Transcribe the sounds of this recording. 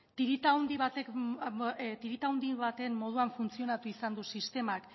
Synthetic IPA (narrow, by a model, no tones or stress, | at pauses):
t̪iɾit̪awnd̪iβat̪ek | t̪iɾit̪awnd̪iβat̪e̞mːo̞ð̞uaɱfunt͡sio̞nat̪uisand̪usist̪e̞mak